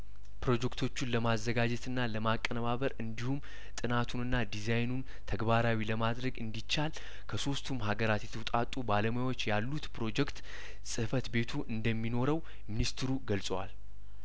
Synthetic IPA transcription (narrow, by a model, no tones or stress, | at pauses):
pɾo̞d͡ʒɛkt̪ʰo̞t͡ʃːunləmazːəɡad͡ʒɛt̪ɨnːaləmakʼːənəβaβəɾɨnd̪ihum | t̪ʼɨnat̪ʰunɨnːad̪izajnun | t̪ʰəɡbaɾawiləmad̪ɾəɡɨnd̪it͡ʃːal | kʰəso̞st̪ʰumɦaɡəɾat̪jɛt̪ʰəwt̪ʼat̪ʼːubaləmojawo̞t͡ʃːjalːut̪pʰɾo̞d͡ʒɛkt̪ | sʼɨfət̪be̞t̪ʰuʔɨnd̪əmːino̞ɾəw | minist̪ɨɾuɡəlsʼəwa̰l